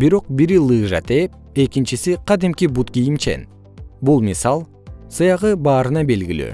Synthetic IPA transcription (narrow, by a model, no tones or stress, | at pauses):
biɾo̞q̚biɾilˠɯːʒɑ̰t̪ep̚ | e̞kint͡ʃisiqɑd̪imkibut̪kijimt͡ʃe̞̰n | bulˠmʲisɑlˠ | sɯjɑʁɯbɑːɾɯnɑbe̞lɡily̰